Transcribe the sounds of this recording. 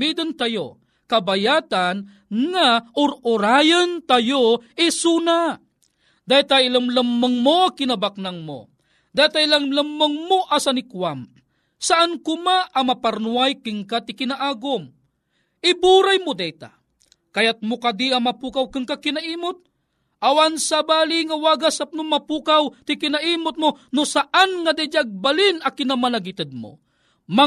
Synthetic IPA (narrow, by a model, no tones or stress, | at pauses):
id̪ɐnt̪ajo | kɐbɐjaːt̪an | ŋaʔʊɾʊɾaːjɐnt̪ajoɪsuːna | d̪ajt̪aʔɪlɐmlɐmːɐŋmoakɪnɐbak̚nɐŋmo̰ | d̪at̪aɪlɐŋlɐmːɐŋmoʔasɐnɪkwam | sɐʔankʊmaʔɐmɐpaɾnuajkɪŋkat̪ɪkɪnaʔaːɡʊm | ʔɪbuɾajmod̪ɛjt̪a̰ | kɐjat̪̚mokad̪iɐmɐpuːkawkɨŋkakɪnaʔiːmʊt̪̚ | ʔawansabaːliŋawaɡasap̚nʊmɐpuːkawt̪ɪkɪnaʔiːmʊt̪̚monosaʔanŋad̪ɛd͡ʒaɡ̚balɪnɐkɪnamɐnaɡɪt̪ɐd̪̚mo̰ | ma